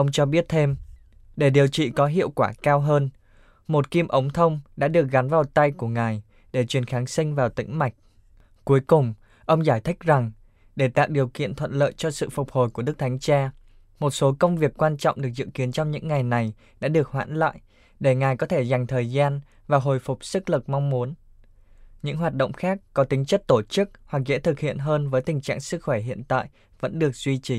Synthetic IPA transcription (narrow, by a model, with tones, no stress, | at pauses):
ʔə˧wŋ͡mt͡ɕɔ˧ɓi˦˥ət̚t̪ʰe˧m | ɗe˧˩ɗi˨˩əwt͡ɕḭ˧˨kɔ˨˦ɦḭ˧˨əwkwaː˧˩kaː˧wɦəː˧n | mo˨˩t̚ki˧mʔə˨˦wŋ͡mt̪ʰə˧wŋ͡mɗa̰ː˧˥ɗɨ˨˩ək̚ɣa˨˦nvaː˨˩wt̪a˧jku˧˩əŋaː˨˩j | ɗe˧˩t͡ɕwi˨˩ənxaː˨˦ŋsï˧ŋ̟vaː˨˩wt̪ḭ̈˧˥ŋ̟ma˨˩jk̟̚ | ku˨˦əjkʊ˨˩ŋ͡m | ʔə˧wŋ͡mzaː˧˩jt̪ʰi˦˥k̟̚za˨˩ŋ | ɗe˧˩t̪a̰ː˧˨w̚ɗi˨˩əwkḭ˧˨ənt̪ʰə̰˧˨nlə̰ː˧˨jt͡ɕɔ˧sɨ̰˧˨fʊ˨˩k͡p̚ho˨˩jku˧˩əɨ˦˥k̚t̪ʰa˨˦jŋ̟t͡ɕaː˧ | mo˨˩t̚so˨˦kə˧wŋ͡mvi˨˩ək̚kwaː˧nt͡ɕɔ̰˧˨wŋ͡mɗɨ˨˩ək̚zɨ̰˧˨ki˨˦ənt͡ɕɔ˧ŋ͡mɲɨ̰˧˥ŋːa˨˩jna˨˩j | ɗa̰ː˧˥ɗɨ˨˩ək̚hwa̰ː˧˥nla̰ː˧˨j | ɗe˧˩ŋaː˨˩jkɔ˨˦t̪ʰe˧˩za˨˩jŋ̟t̪ʰəː˨˩jzaː˧n | vaː˨˩ɦo˨˩jfʊ˨˩k͡p̚sɨ˦˥k̚lɨ˨˩k̚mɔ˧wŋ͡mmu˨˦ən | ɲɨ̰˧˥ŋɦwaː˨˩t̚ɗə̰˧˨ŋ͡mxaː˦˥k̚kɔ˨˦t̪ï˨˦ŋ̟t͡ɕə˦˥t̚t̪o˧˩t͡ɕɨ˦˥k̚hwa˨˩k̚zɛ̰˧˥t̪ʰɨ˨˩k̚hḭ˧˨ənɦəː˧nvəː˨˦jt̪ï˨˩ŋ̟t͡ɕa̰ː˧˨ŋsɨ˦˥k̚xwɛ˧˩ɦḭ˧˨ənt̪a̰ː˧˨j | və̰˧˥nɗɨ˨˩ək̚zwi˧t͡ɕi˨˦